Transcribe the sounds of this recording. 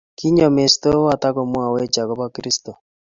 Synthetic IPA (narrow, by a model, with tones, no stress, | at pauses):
ki˦ɲɔ˨me˨sto˦wa˨ta˦ko˨mwa˨we˦t͡ʃa˨ɣɔ˦βa˦kiɾi˦sto˨